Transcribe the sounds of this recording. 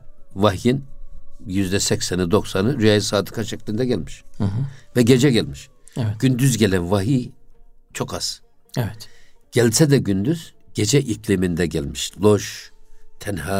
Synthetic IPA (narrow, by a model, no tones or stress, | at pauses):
vaɦjinjyzd̪ɛsɛcsɛnɯd̪o̞ksanɯɾyjajisaːd̪ɯ̥kʰaʃɛcʲlʲind̪ɛɟɛlʲmiʃ̩ | vɛɟe̞d͡ʒɛɟælʲmiʃɛvɛɟ̥ynd̪yzɟelʲænvaɦi | t͡ʃʰo̞kaz̥ | ɛvɛt̪ɟ̥ɛlʲsɛd̪ɛɟynd̪yz̥ɟ̥e̞d͡ʒɛʔiclʲimind̪ɛɟɛlʲmiʃlˠoʃt̪ʰɛnha